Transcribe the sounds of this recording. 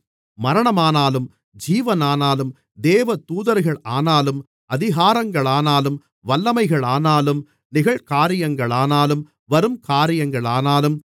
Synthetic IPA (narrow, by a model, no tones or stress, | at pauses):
mɐɾɐɳɐmaːnaːlɯm | d͡ʒiːʋɐnaːnaːlɯm | d̪eːʋɐt̪uːðɐɾɣɐɭaːnaːlɯm | ɐðɪɣaːɾɐŋɡɐɭaːnaːlɯm | ʋɐlːɐmɐɪɣɐɭaːnaːlɯm | nɪɣɐɭkaːɾɪjɐŋɡɐɭaːnaːlɯm | ʋɐɾɯmkaːɾɪjɐŋɡɐɭaːnaːlɯm